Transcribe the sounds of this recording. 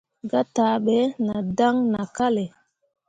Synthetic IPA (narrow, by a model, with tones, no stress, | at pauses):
ɡa˦ta˨˦ɓɛ˨˦na˨da˦ŋna˨ka˦le˨